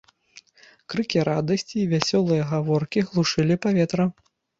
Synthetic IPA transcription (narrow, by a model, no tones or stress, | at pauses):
kɾɨkʲiɾad̪ɐsʲt͡sʲiːvʲasʲɔlˠɨjɐɣavɔrkʲiɣlˠuʂɨlʲipavʲɛt̪ɾɐ